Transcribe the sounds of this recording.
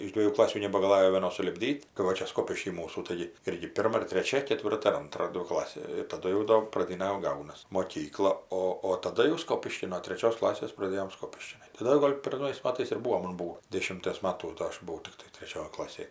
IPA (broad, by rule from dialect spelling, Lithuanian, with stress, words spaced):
ɪʃ ˈdʲʋʲiɛjuː ˈklˠɑːsʲuː nʲɛbɐɡɐˈlˠɑːjoː ʋʲiɛˈnoːs sʊlʲɪbʲˈdʲiːt kɐɪ ˈʋɐ ˈt͡ʃʲɛ ˈskoːpʲɪʃʲkʲiː ˈmuːsuː ˈtɐɪɡʲɪ ˈɪrʲɡʲɪ ˈpʲɪrmɐ ɪr tʲrʲɛˈt͡ʃʲɛ kʲɛˈtʲʋʲɪrtɐ ɪr ˈɐntrɐ ˈdʲʋʲɪ ˈklˠɑːsʲeː ɪr tɐˈdʊ jɛʊ ˈdoː prɐˈdʲiːnɐ jɛʊ ˈɡɐʊnɐs moːˈkʲiːklˠɐ ˈoː oː tɐˈdɐ jɛʊ ˈskoːpʲɪʃʲkʲɪn noː tʲrʲɛˈt͡ʃʲoːs ˈklˠɑːsʲeːs prɐˈdʲeːjoːm ˈskoːpʲɪʃʲkʲɪ tɐˈdɐ jɛʊ ˈɡoːlʲ pʲɛr ˈnɐʊjɛɪs ˈmɑːtɐɪs ɪr ˈbuːoː ˈmɐn ˈbuːoː ˈdʲeːʃʲɪmʲtʲiɛs ˈmɑːtuː ˈdoː ˈɐʃ bʊˈʋɐʊ ˈtʲɪktɐɪ tʲrʲɛˈt͡ʃʲoːj ˈklˠɑːsʲeːj